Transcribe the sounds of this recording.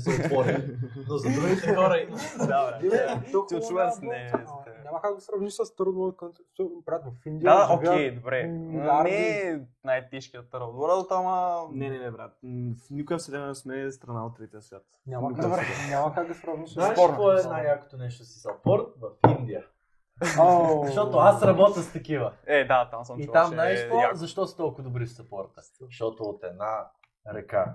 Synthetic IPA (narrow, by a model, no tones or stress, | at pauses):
sɛvɔɾinozɐd̪ɾuɡit̪ɛɛxɔɾɐimɐd̪avɾɛosut͡ʃuvɐɛsnɛt̪ɛɲamɐkaɡd̪ɐsɾɐvniʃsɐst̪ɾd̪ot̪̚kt̪ | ɔbɾat̪mɛfind̪iaaʔoɡkɛjd̪obɾɛaɾɛnajɛt̪ɛʃkiɐt̪əɾod̪oɾad̪ot̪amɐnɛnɛnɛbɾat̪fnikʊəfsɛd̪ɛnɛsmɛst̪ɾɐnaot̪̚ːɾɛt̪ʲiəsvʲjat̪ɲʲamɐkabɛnʲamɐkaɡɡɐspɾavniʃnaɾvɔɛɛnajjako̥t̪onɛʃt̪osɐ̥sɐpɔɾt̪̚vɐfind̪iə | zɐʃt̪ɔt̪oasɾɐbɔt̪əxst̪ɐkivəɛd̪at̪amsɐiamnajsvɔazɐʃt̪ɔsə̥t̪ɔlˠkʊvɐd̪obɾifsɐpɔɾt̪ə | ʃt̪ɔt̪oːt̪ɛd̪na | ɾɐka